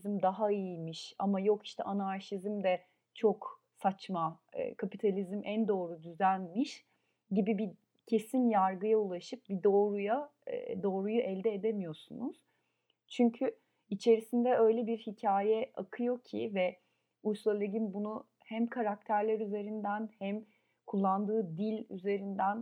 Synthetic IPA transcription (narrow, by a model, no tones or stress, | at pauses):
zmd̪aɦaijimiʃamajo̞ki̥ʃt̪ʰɛ̰ʔanaɾʃizmd̪ɛ | t͡ʃʰo̞k | sat͡ʃma̰kʰapit̪ʰalʲizmʔænd̪o̞ːɾud̪yzænmiʃ | ɟibibi | cʰe̞sinjaɾɡɯjaulˠaʃɯp̚bid̪o̞ːɾuja̰ | d̪o̞ːɾujuʔɛlʲd̪ɛed̪emijo̞ɾsunuz̥ | t͡ʃʰyɲcʰy | it͡ʃʰe̞ɾisind̪ɛø̞jlʲɛbiɾhicʰaːjɛa̰kʰɯjo̞cʰivɛ | ujslˠalʲˠeɟinbunu | hæmkʰaɾak̚t̪ʰæɾlʲæɾyze̞ɾind̪ænhæm | kʰulˠːand̪ɯːd̪ilʲyze̞ɾind̪æn